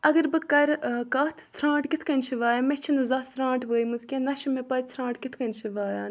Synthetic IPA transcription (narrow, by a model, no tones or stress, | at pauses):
ɐɡɐɾbɨkɐɾkɐt̪ʰsʰɾãːɳʈkit̪ʰkɐnʲt͡ʃʰiʋaːjaːmet͡ʃʰinɨzaːsɾãːɳʈʋəːimɨzkʲẽnɐʃimepɐɾsʰɾãːɳʈkit̪ʰkɐnt͡ʃʰiʋaːja̰ːn